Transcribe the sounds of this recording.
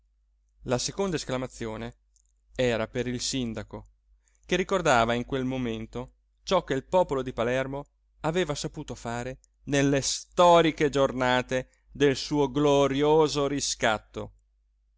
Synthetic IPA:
lasekond̪aesklamat̪sːjoːne | ɛːɾapeɾilsind̪ako | kerikord̪aːvaiŋkwelmoment̪o | t͡ʃɔkːeilpɔːpolod̪ipalɛrmo | aveːvasapuːt̪ofaːɾe | nelːest̪ɔːɾiked͡ʒornaːt̪e | d̪elsuːoɡloɾjoːzoɾiskat̪ːo̰

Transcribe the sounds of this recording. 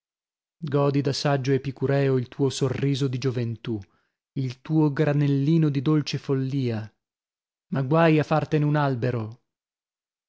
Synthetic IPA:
ɡɔːd̪id̪asad͡ʒːoepikuɾɛːoilt̪uːosorːiːzod̪id͡ʒovent̪u | ilt̪uːoɡɾanelːiːnod̪id̪olt͡ʃefolːiːa | maɡwajafːart̪eneunalbeɾo

